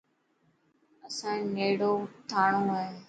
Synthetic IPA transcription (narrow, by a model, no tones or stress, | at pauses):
əsãːneːɽoːt̪ʰaːɽ̃õːaːɦeː